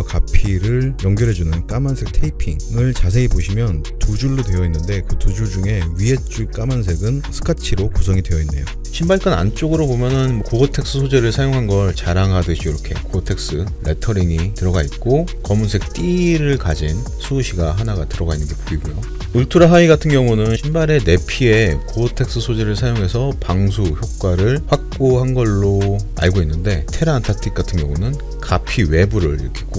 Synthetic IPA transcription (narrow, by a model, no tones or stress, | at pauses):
kapʰiɾɯɭjʌŋɡjʌɾɦe̞d͡ʑunɯnk͈amansʰe̞k̚tʰeipʰiŋɯɭt͡ɕas̬ʰe̞iboɕʰimjʌntud͡ʑuɭːodwe̞jʌinːɯnde̞kɯtud͡ʑuɭd͡ʑuŋe̞ɥiet̚t͡ɕ͈uik͈amans̬ʰe̞ɡɯnsʰɯ̥kʰat͡ɕʰiɾokusʰʌŋidwe̞jʌinde̞̰jo̰ | ɕʰimbaɭk͈ana̰nt͡ɕ͈oɡɯɾobomjʌnɯnwʌkoɡʌtʰe̞k̚s͈ɯsʰod͡ʑe̞ɾɯɭsʰajoŋɦanɡʌɭt͡ɕaɾaŋɦadɯɕʰiiɾʌkʰe̞̰koɡʌtʰe̞k̚s͈ɯ | ɾʔe̞̰tʰʌɾiŋitɯɾʌɡait̚k͈o | kʌmunsʰe̞k̚t͈iɾɯɭkad͡ʑin | sʰuɕʰiɡaɦanaɡatɯɾʌɡainːɯnd͡ʑepoɡiɡujo | uɭtʰuɾaɦaiɡatʰɯnɡjʌŋunɯnɕʰinbaɾe̞ne̞pʰie̞koɡʌtʰe̞k̚s͈ɯsʰod͡ʑeɾɯɭsʰajoŋɦe̞sʰʌpaŋsʰuçjok̚k͈waɾɯɭɸwak̚k͈oɦanɡʌɭːoa̰ɭɡoinːɯnde̞tʰe̞ɾaːntʰatʰik̚ɡ͈atʰɯnɡjʌŋunɯn | kapʰiwe̞buɾɯɭḭɾʌkʰe̥ko